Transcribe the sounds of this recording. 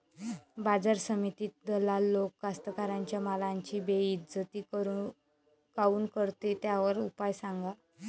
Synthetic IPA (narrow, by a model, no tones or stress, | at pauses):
bad͡zaɾsəmit̪iːt̪̚d̪əlalːokːast̪əkaɾaɲt͡ɕjamalaɲt͡ɕiːbeit̪d͡zət̪iː | kauːnkəɾt̪et̪jaʋəɾupajsaŋɡa